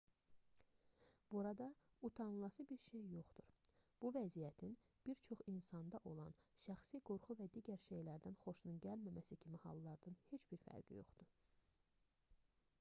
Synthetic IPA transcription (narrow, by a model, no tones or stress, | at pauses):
b̥uɾɑd̪ɑ | ut̪ʰɑnlˠɑsɯbiɾʃe̞jːo̞χd̪uɾb̥uvæzijæt̪ʰin | b̥iɾt͡ʃʰo̞χinsɑnd̪ɑʔo̞lˠɑnʃæxsiɡo̞ɾχuvæd̪iːɟæɾʃe̞jlæɾd̪ænχo̞ʃnunɟælmæmæsicʰimihɑ̰lˠːɑɾd̪ɑnhe̞t͡ʃb̥iɾfæ̰ɾɟḭjo̞̰χd̪̥u